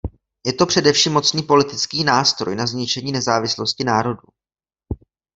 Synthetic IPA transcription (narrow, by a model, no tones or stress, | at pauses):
jɛt̪o̞pr̝̥ɛdɛfʃimːo̞t͡sniːpo̞lɪt̪ɪt͡skiːnaːst̪ɾo̞̰jnazɲɪt͡ʃɛɲiːnɛzaːvɪslo̞scɪnaːɾo̞du